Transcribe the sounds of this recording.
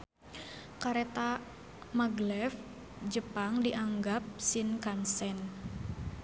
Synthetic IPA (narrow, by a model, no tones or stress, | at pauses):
kaɾet̪a | maɡlɛf | d͡ʒəpaŋdiʔaŋɡap̚sɪnkansɛn